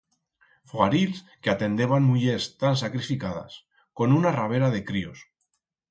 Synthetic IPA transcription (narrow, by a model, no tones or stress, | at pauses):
foaɾils | keat̪end̪eβanmuʎest̪ans̬akɾifikaða̰s | konunaraβ̞eɾað̞ekɾios